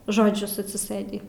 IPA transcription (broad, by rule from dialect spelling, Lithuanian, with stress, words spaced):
ʒoːˈd͡ʒʲʊs ɐtʲsʲɪˈsɘdʲiː